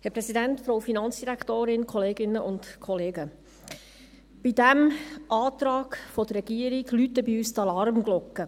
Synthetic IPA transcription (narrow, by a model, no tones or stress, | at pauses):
hɛɾpɾɛsidænt̪fɾoʊfinɑnt͡sd̥iɾækt̪oːɾɪnkʰɔleːɡɪnːəʔʊntkʰɔleːɡə | b̥idæmʔɑːt̪ɾɑːɡfɔd̪ərːɛɡ̥iəɾiɡlyt̪ːəbiyːst̪ɑlɑɾmɡlɔkːə